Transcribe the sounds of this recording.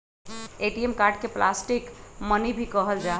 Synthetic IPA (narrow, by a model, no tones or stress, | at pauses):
eʈiemkaɾɖkeplasʈikmənibʱikəɦəld͡ʒa